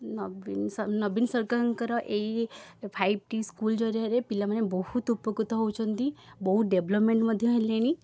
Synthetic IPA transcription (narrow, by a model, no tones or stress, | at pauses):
nɔbinsnɔbinsəɾkaɾŋkəɾɔʔeipʰaib̚ʈiskuld͡ʒɔɾjaɾepilamanebɔhut̪upːəkut̪ɔɦowt͡ʃʰɔnt̪ibɔɦuɖebləpmẽɳʈməd̪ʱjeẽleɽ̃i